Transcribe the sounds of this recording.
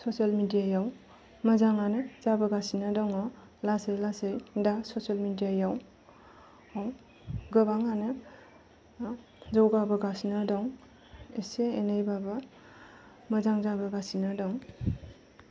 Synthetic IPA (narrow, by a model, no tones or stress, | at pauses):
sosalmidijajaw | mɐzaŋanɯzabɐɡasinadɔŋɔ | lasejlasɯjdasosalmidijajaw | aw | ɡɯbaŋanɯ | zawɡabɯɡasinadɔŋ | eseenajbabɯ | mɐzaŋzabɯɡasinadɔŋ